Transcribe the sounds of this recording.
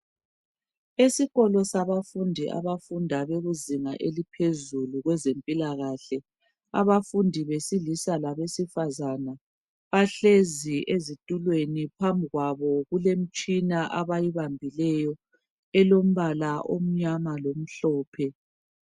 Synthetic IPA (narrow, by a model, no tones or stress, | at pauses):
esiɣɔlɔsaβafundʱiʔa̰βafundʱaβeɣuziŋaʔelipʰezuluɣwɛzempʼilaɣaɬɛ | a̰βafundʱiβesilisalaβesifazana | βaɬeziʔezitʼulwenipʰambʱiɣwaβɔɣulem̩t͡ʃʼinaʔaβajiβambʱilɛjɔ | ɛlom̩βalaʔom̩ɲamalom̩ɬɔːpʰɛ